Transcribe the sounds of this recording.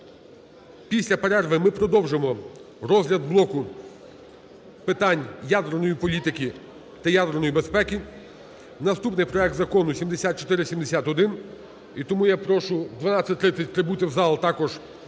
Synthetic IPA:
pʲisʲlʲɐpeɾɛrʋɪmɪpɾɔd̪ɔwʒemɔ | ɾɔzlʲɐd̪blˠɔkʊ | pɪt̪ɑnʲjad̪ernɔjipɔlʲit̪ɪkʲi | t̪ɐjad̪ernɔjibespɛkʲi | nɐst̪upnɪjpɾɔɛk̚d̪zɐkɔnʊsʲimd̪esʲat̪̚t͡ʃɔ̥t̪ɪɾɪsʲimd̪esʲat̪ɔd̪ɪn | it̪ɔmujapɾɔʃʊd̪ʋɐnɑt͡sʲːɐt̚ʲt̪ɾɪt̪sʲɐt̚ʲt̪ɾɪbut̪ʲɪwzɑlˠt̪ɑkɔʒ

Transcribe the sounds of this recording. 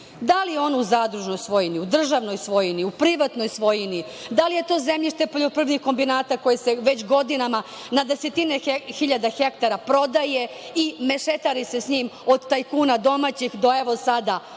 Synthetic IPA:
d̪alijeo̞nuzaːd̪ɾuʒno̞jsʋo̞jiniud̪r̩ʒaʋno̞jsʋo̞jiniupɾiʋat̪no̞jsʋo̞jini | d̪alije̞t̪o̞ːzemʎiʃt̪e̞po̞ʎopr̩ʋɲixko̞mbinaːt̪ako̞jese̞ʋet͡ɕɡo̞d̪inama | nad̪e̞set̪ine̞xiʎad̪axekt̪aɾapɾo̞d̪aje | ime̞ʃet̪aɾise̞sɲiːmo̞d̪t̪ajkuːnad̪o̞mat͡ɕixd̪o̞e̞ʋosad̪a

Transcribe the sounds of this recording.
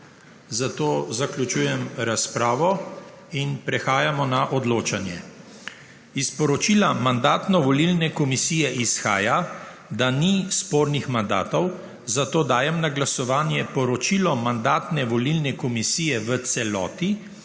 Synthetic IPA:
zat̪oːzakljut͡ʃuːjɛmɾaspɾaːʋɔ | inpɾɛxaːjamɔnaʔɔd̪loːt͡ʃanjɛ̰ | ispɔɾɔt͡ʃiːlamand̪aːt̪nɔʋɔlilnɛkɔmisiːjɛʔisxa̰ːja | d̪anispoːɾnixmand̪a̰ːt̪ɔw | zat̪oːd̪aːjɛmnaɡlasɔʋaːnjɛpɔɾɔt͡ʃiːlɔmand̪aːt̪nɛʋɔlilnɛkɔmisiːjɛʋət̪sɛlɔ̰ːt̪i

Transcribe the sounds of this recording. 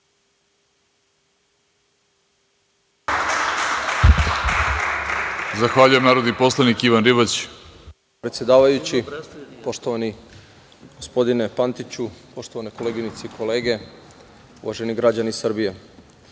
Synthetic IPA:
zaxʋaʎujemnaːɾod̪nipo̞slˠanikiʋanɾiβat͡ɕ | pɾet̪sjed̪aːʋajut͡ɕipo̞ʃt̪o̞ʋani | ɡ̥o̞spo̞d̪ine̞pant̪it͡ɕupo̞ʃt̪oaneko̞leɡinit̪seikʰo̞le̞ːɡe̞ | ṵʋa̰ʒe̞niɡɾad͡ʑanisr̩bije

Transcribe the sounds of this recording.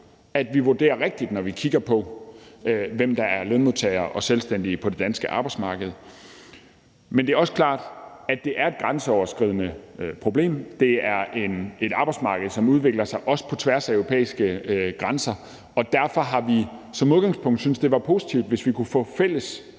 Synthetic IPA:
æd̥ʋiʋuɐd̥e̝̰ːɐʁeɡ̥̚d̥id̥nɒʋikʰiɡ̥ɐpʰɒ̽ | ʋem̰d̥ɑ̈æɐleðˠmuðˠt͡sʰɛ̰ɪɐʔɒ̽selsd̥en̰d̥ipʰɒ̽d̥e̝d̥ænsɡ̥əʔɑ̈ːb̥ɑ̈ɪ̥smɑ̈ːɡ̥əð̩ˠ | mend̥e̝æɐɒ̽səkʰlɑ̰̈ːd̥æd̥e̝ʔæɐe̝d̥̚ɡ̥ʁɑnsəɒʊɐsɡ̥ʁið̞̰ˠnəpʰʁo̝b̥le̝̰ːmd̥e̝æɐʔe̝ne̝ɾ̥ɑ̈b̥ɑ̈ɪdsmɑ̈ːɡ̥əð̞̩ˠsɒ̽muð̞ˠʋe̝ɡ̥lɐsɑ̈ɪʔɒ̽sə̥pʰɒ̽t͡sʰʋæɐsæøʊʁo̝pʰḛːisɡ̥əɡ̥ʁɑnsɐ | ɒ̽d̥æɐfɒ̽ɦɑ̈ʋisɒ̽muðˠɡ̥ɑ̈ŋspʰɔ̽ŋ̰d̥synsd̥e̝ʋɑ̈pʰo̝si̥t͡sʰiʊd̥ʋe̝sʋikʰufɔ̰̽fel̰əs

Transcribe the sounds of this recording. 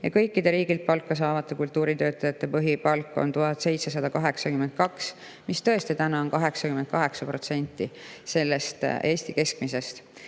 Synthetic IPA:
jɑkɤjkːid̪̥e̞ɾiːɡilt̪̚pɑlkːɑs̬ɑːvɑt̪ːˑekult̪ːˑuːɾit̪ø̞ːt̪ːˑɑjɑt̪ːˑe̞pɤɦipɑlkːˑo̞̰nt̪uɦɑt̪se̞jt̪se̞sɑd̪̥ɑkɑɦe̞ksɑkyme̞nt̪̚kɑks | mist̪ɤ̞e̞st̪it̪ænɑonkɑɦe̞ksɑkyment̪̚kɑɦe̞ksɑpro̞t̪se̞nʲt̪ːˑise̞lːe̞st̪e̞ːsʲt̪ike̞skmise̞st̪

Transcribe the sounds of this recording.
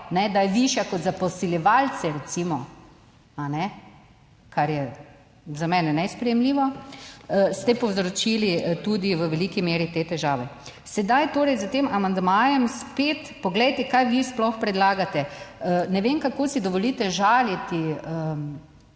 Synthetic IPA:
nɛd̪ajɛʋiʃjakɔt̪zapɔsiljɛʋalt͡s̪ɛɾɛt̪simɔ | anɛ | kaɾjɛ | zamɛːnɛnɛspɾɛjɛmliːʋɔ | st̪ɛpɔwzɾot͡ʃilit̪ud̪iʋəʋɛlikimeːɾit̪eːt̪ɛʒaːʋɛ | sɛd̪ajt̪oːɾɛjzat̪eːmʔamand̪majɛmspeːt̪pɔɡlɛjt̪ɛkajʋisplɔxpɾɛd̪laːɡat̪ɛənɛʋemkakoːsid̪ɔʋɔliːt̪ɛʒaːljɛt̪iə

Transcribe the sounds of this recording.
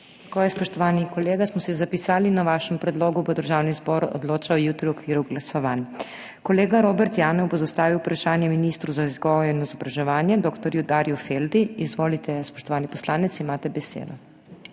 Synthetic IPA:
t̪akoːjɛspɔʃt̪ɔʋaːnikɔleːɡasmɔsizapisaːlinaʋaːʃɛmpɾɛd̪loːɡubod̪əɾʒaːwnizbɔɾɔ̰d̪loːt͡ʃawjuːt̪ɾiwɔkʋiːɾuɡlasɔʋan | kɔleːɡaɾoːbɛɾt̪jaːnɔwbozast̪aːʋiwupɾaʃaːnjɛminiːst̪ɾuzaizɡɔjɔinizɔbɾaʒɛʋaːnjɛd̪oːkt̪ɔɾjud̪aːɾjufeld̪iizʋoːlit̪ɛspɔ̥ʃt̪ɔʋaːnipɔslaːnɛt̪siːmaːt̪ɛbɛsḛːd̪ɔ

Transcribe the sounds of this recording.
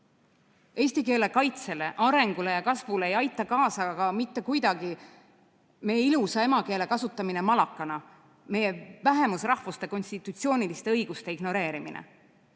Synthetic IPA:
e̞ːsʲt̪ike̞ːle̞kɑjt̪se̞le̞ʔɑɾe̞ŋɡ̥ule̞jɑkɑsvuleejɑjt̪ˑːɑkɑːsɑɡ̥ɑmit̪ːe̞kujd̪̥ɑɡi | me̞jeilusɑe̞mɑke̞ːle̞kɑsut̪ːˑɑmine̞mɑlɑkːˑɑnɑ | me̞jevæɦe̞musrɑhvust̪e̞ko̞nʲst̪it̪ːˑut̪sio̞ːnilist̪e̞ɤjɡ̥ust̪e̞iɡno̞ɾe̞ːɾiminḛ

